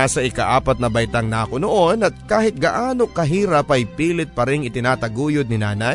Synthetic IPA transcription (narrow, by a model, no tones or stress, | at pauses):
asɐʔɪkaʔaːpɐt̪̚nɐbɐjt̪aŋnaːkonoʔonɐt̪̚kaːhɪt̪̚ɡaʔaːnokɐɦiːɾɐpɐjpiːlɪt̪̚pɐɾɪŋɪt̪ɪnaːt̪ɐɡuːjʊd̪̚nɪnaːnɐj